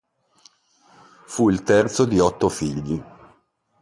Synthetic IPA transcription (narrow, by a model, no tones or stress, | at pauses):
fuilt̪ɛrt̪sod̪iɔt̪ːofiʎːi